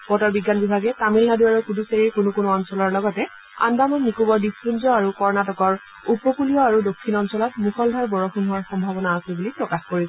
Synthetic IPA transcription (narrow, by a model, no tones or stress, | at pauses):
pɔtɔɹbiɡːanbibʱaɡɛtamilnaduaɹukuduseɹiɹkunukunuɔnsɔlɔɹlɔɡɔtɛ | a̰ndamɔnnikubɔɹdisɹunzɔaɹukɔɹnatɔkɔɹ | upɔkulijɔaɹudokʰːinɔnsɔlɔtmuxɔldʱaɹbɔɹɔxʰunɦʊwaɹxɔmbʱabɔnaːsɛbulipɹɔkaxkoɹisɔ